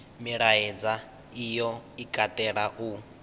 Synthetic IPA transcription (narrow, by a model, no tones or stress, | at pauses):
miɺaɛd͡za | ijɔikʼat̪ʼɛɺaʔu